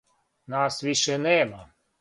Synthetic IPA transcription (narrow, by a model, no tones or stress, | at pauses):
nasʋiʃenɛma